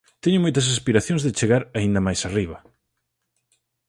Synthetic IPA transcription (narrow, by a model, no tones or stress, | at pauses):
t̪ɛɲʊmojt̪ɐs̬aspiɾaθjõŋzðɪt͡ʃeɣaɾaind̪ɐmajsariβɐ